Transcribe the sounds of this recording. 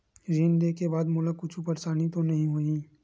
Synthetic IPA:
d͡ʒiːnd̪ekebaːd̪moːlakʊt͡ʃʰupəɾsaːnit̪onɐɦĩɦoi

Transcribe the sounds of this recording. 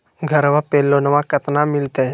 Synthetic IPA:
ɡʱəɾʋapelːonəʋakət̪namilt̪e

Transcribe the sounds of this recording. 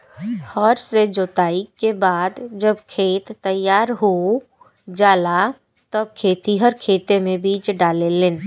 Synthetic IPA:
hɔːɾsed͡ʒoːt̪aːikebaːd̪d͡ʒəbkʰeːt̪ːəjaːɾɦo | d͡ʒaːla | t̪əb̚kʰeːt̪iɦɐɾkʰeːt̪emẽbiːt͡ʃɖaːlelen

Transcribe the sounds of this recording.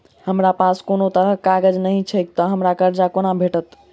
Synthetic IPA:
həmɾapaskonot̪əɾəkaɡəd͡ʒnəɦĩt͡ʃʰəjk̚t̪əɦəmɾakəɾd͡ʒakonabʱeʈət̪

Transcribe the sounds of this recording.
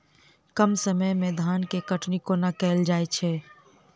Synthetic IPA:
kəmsəməjmẽd̪ʱaːnkekəʈnikonakɛːld͡ʒaːet͡ʃʰɛː

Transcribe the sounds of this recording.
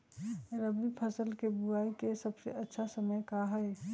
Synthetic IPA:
ɾəbipʰəsəlkebuaːikesəbsḛʔɐtːʃʰasəməjkaɦɛe

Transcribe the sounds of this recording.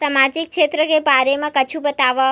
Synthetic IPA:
samad͡ʒik̚kʃet̪ɾəkebaɾemãkət͡ʃʰũbət̪aʋa

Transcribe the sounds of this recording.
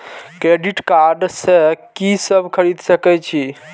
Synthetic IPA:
kɾeɖiʈkaɾɖsekisəbʱkʰəɾid̪səkɛt͡ʃʰi

